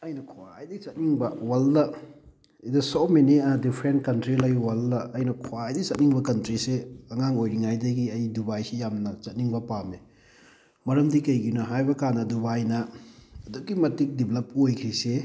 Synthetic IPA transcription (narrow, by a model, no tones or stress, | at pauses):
ɐjnɐkʰoajdɐt͡ʃɐt̚niŋbɐwaldɐ | idɐsomenidipʰɾent̚kɐntɾilɐjwalːɐːjnɐkʰoajdɐjt͡ʃɐt̚niŋbɐkɐntɾiseɐŋaŋojɾiŋajdɐɡiɐjdubajsijamnɐt͡ʃɐt̚niŋbɐpame | mɐɾɐmdikɐjɡinɐɦajbɐkanɐdubajnɐːdukːimɐtik̚diblɐpojkʰise